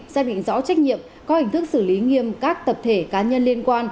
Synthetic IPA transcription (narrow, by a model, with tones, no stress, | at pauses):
zaː˧ɗḭ˧˨ŋ̟zɔ˨˦t͡ɕa˦˥k̟̚ɲḭ˧˨əm | kɔ˨˦hi˧˩ŋ̟t̪ɨ˦˥k̚sɨ˧˩li˨˦ŋi˧əmkaː˦˥k̚t̪ə˨˩p̚t̪ʰe˧˩kaː˨˦ɲə˧nli˧ənkwaː˧n